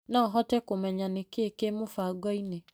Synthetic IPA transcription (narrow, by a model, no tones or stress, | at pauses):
nãːɦɔtɛkʊmɛɲanɪkekemʊfaɡɔine